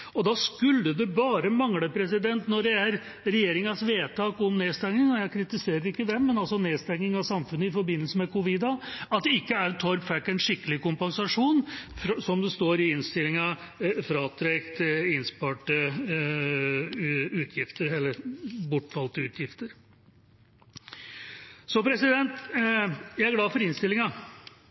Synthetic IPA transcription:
ɔd̪ɑskʉlːəd̪ɛbɑːɾəmɑŋləpʰɾɛsɪd̪ɛnt̪nɔɖɛæɾ | ɾɛjeːɾɪŋɑsʋeːt̪ʰɑːkɔmneːst̪ɛŋnɪŋɔjæɪkʰɾɪt̪ɪseːɾəɾɪkːəd̪ɛmːɛnɑlsɔneːst̪ɛŋːɪŋɑʋsɑmfʉnːəɪfɔɾbɪnːəlsəmɛkʊʋɪd̪ɑɑt̪̚d̪ɛɪkːəæɾt̪ʰɔɾpfækːɛnʂɪkːəlɪkʊmpɑnsɑʂuːnfɾsɔmd̪ɛst̪oːɾɪɪnst̪ɪlːɪŋɑ | fɾɑːt̪ʰɾɛkt̪ɪnspɑːʈə | ʉːt̪ʰjɪft̪əɾɛlːəɾbʊʈːfɑlt̪əʉːt̪ʰjɪft̪əɾ | sɔpʰɾɛsɪd̪ɛnt̪ | jæɪæɾɡlɑːfɔɾɪnst̪ɪlɪŋɑ

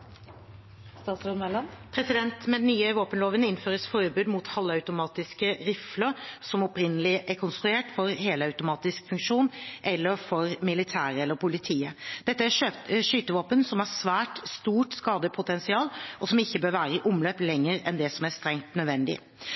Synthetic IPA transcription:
st̪ɑːt̪sɾod̪mɛlɑnpʰɾɛsɪd̪ɛnt̪mɛd̪ɛnyːəʋoːpənloːʋənɪnføːɾəsfɔɾbʉːd̪mʊt̪hɑlːəɑʉt̪ʊmɑːt̪ɪskəɾɪfləɾsɔmɔpɾɪnːəlɪʔɛkʰɔnst̪ɾʉeːʈfɔɾɦeːləɑʉt̪ʊmɑːt̪ɪskfʉŋkʂuːnʔɛlːəɾfɔɾmɪlɪt̪ʰæːɾəɛlːəɾpʊlɪt̪ʰiːəd̪̥ɛt̪ːəæøʂyːt̪əʋoːpənsɔmhæsʋæːʈst̪uːʈskɑːd̪əpʰʊt̪ʰɛnsɪɑːlʔɔsɔmɪçːəbøːɾʋæːɾəɪʔʊmløːplɛŋːəɾɛ̰nd̪ɛsɔmæst̪ɾɛŋt̪nœd̪ʋɛnd̪ɪ̰

